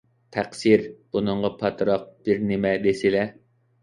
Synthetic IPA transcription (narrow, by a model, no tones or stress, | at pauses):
t̪ʰæqsiɾb̥unɨɴʁɑpʰɑt̪ɾɑq̚b̥ɪɾnɪmɛd̪esɪlɛ